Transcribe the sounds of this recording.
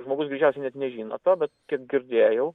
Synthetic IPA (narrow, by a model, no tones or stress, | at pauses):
ʒmoːɡʊsɡɾʲiːt͡ʃʲɛˑʊsʲɛɪnʲɛt̪nʲɛʒʲiːnɐ̰t̪oːbʲɛt̪kʲiɛk̚ɡʲɪɾʲd̪ʲeːjɛʊ